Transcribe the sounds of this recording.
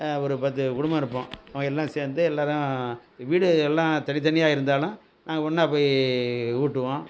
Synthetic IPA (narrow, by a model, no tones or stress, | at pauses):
ɔɾɯpɐt̪̬ːɯkʊɽʊmbɐ̃ɪɾɯpːõɐʋɐ̃ŋɡɐɛlːãːseːɾnd̪ɯɛlːaːɾʊ̃ʋiːɽɯɛlːãːt̪ɐnɪt̪ːɐnɪjaːɪɾɯnd̪aːlʊ̃ | nãːŋɡɐɔnːɐɐpːɐːj | uːʈːɯʋõː